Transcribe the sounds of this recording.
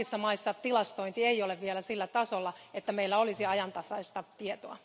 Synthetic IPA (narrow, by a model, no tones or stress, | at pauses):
isːɑmɑisːɑt̪ilɑst̪oint̪ieioleʋʋielæsilːæt̪ɑsolːɑet̪ːæmeilːæolisiɑjɑnt̪ɑsɑist̪ɑt̪iet̪oɑ